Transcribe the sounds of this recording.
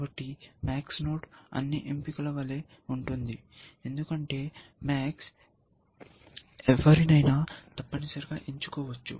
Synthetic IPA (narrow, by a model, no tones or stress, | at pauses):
bɐʈːimaːksno̞ːʈɐ̰nːiʔempikɐlɐʋɐleː | uɳʈund̪i | e̞nd̪ukɐɳʈe̞ːmaːks | eʋɐɾinɐjnaːt̪ɐpːɐnisɐɾiɡaːʔiɲt͡ʃu̥kɔːʋɐt͡ʃːṵ